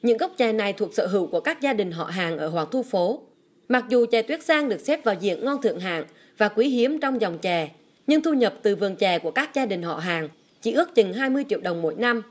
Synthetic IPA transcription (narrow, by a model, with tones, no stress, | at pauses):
ɲɨ̰˧˥ŋɣə˦˥wk͡p̚t͡ɕɛ˨˩na˨˩jt̪ʰu˨˩ək̚sə̰ː˧˨ɦɨ̰˧˥wku˧˩əkaː˦˥k̚zaː˧ɗï˨˩ŋ̟ɦɔ̰˧˨ɦaː˨˩ŋʔəː˧˩ɦwaː˨˩ŋt̪ʰu˧fo˨˦ | ma˨˩k̚zu˨˩t͡ɕɛ˨˩t̪wi˦˥ət̚saː˧ŋɗɨ˨˩ək̚sɛ˦˥p̚vaː˨˩wzḭ˧˨ənŋɔ˧nt̪ʰɨ̰˧˨əŋɦa̰ː˧˨ŋ | vaː˨˩kwi˨˦ɦi˨˦əmt͡ɕɔ˧wŋ͡mzɔ˨˩wŋ͡mt͡ɕɛ˨˩ | ɲɨ˧ŋt̪ʰu˧ɲə˨˩p̚t̪ɨ˨˩vɨ˨˩əŋt͡ɕɛ˨˩ku˧˩əkaː˦˥k̚zaː˧ɗï˨˩ŋ̟ɦɔ̰˧˨ɦaː˨˩ŋ | t͡ɕḭ˧˩˥ʔɨ˦˥ək̚t͡ɕɨ˨˩ŋɦaː˧jmɨ˧əjt͡ɕḭ˧˨əwɗə˨˩wŋ͡mmo̰˧˥jna˧m